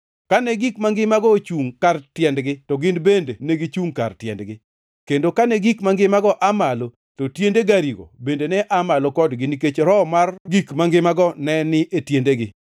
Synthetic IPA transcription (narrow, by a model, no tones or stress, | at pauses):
kanɛɡikmaŋɡɪmaɡɔt͡ʃuŋkartjɛndɡɪtɔɡɪnbendeneɡit͡ʃuŋka̰rtjɛ̰ndɡɪ | kendokanɛɡikmaŋɡɪmaɡɔʔamalo | totjendeɡaɾiɡo̰bendenɛʔamalokɔdɡɪniket͡ʃɾɔmarɡikmaŋɡɪmaɡɔnɛnɪʔetjendeɡɪ